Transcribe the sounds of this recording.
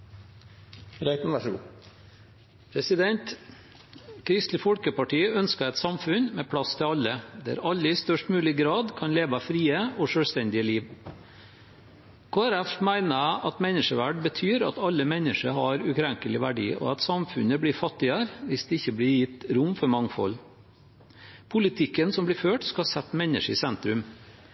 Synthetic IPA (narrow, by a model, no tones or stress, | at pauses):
ɾæɪt̪n̩ʋæʂɡ̰ | pʰɾɛsɪd̪ɛnt̪ | kʰɾɪst̪lɪfɔlkəpɑʈʰiːœnskəɛɪt̪sɑmfʉnmeːpʰɽɑst̪ʰɪɑlːəd̪ɛæ̰ɾɑlːəɪst̪œʂʈmʉːlɪɡɾɑːd̪kʰɑnleːʋɑfɾiːəɔʂøːlst̪ɛnd̪ɪəliːʋ | kʰoːæɾæfmæɪnəæʔɑt̪mɛnːəʂəʋæɖbət̪ʰyːɾɑ̰t̪ɑlːəmɛnəʂəɦɑɾʉkʰɾɛŋkəlɪʋæɖḭːʔɔ̰ɑt̪sɑmfʉnəblɪɾfɑt̪ːɪəɾʋɪsd̪ɛɪçːəblɪɾjɪt̪ːɾʊmfɔɾmɑŋfɔ̰l | pʰʊlɪt̪ʰɪkːənsɔmblɪɾføːʈskɑsɛt̪ːmɛnːə̰ʂəsɛnt̪ɾʉm